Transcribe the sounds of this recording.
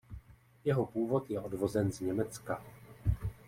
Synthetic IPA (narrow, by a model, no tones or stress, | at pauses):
jɛɦo̞puːvo̞t̪jɛʔo̞dvo̞zɛnzɲɛmɛt͡ska